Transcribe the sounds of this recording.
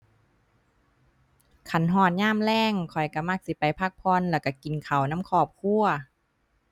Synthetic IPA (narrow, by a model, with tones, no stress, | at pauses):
kʰa˧˩˦nɦɔː˧˩t̪̚ɲaː˧˥˨mlɛː˧˥˨ŋkʰɔ˨˩jka˧˩ma˧˥˩k̚si˧˦pa˨jpʰa˧˩k̚pʰɔ˧˨nlɛː˧˩wka˧˩ki˨nkʰa˨˩wna˧˥˨mkʰɔː˧˩p̚kʰu˧˨ɐ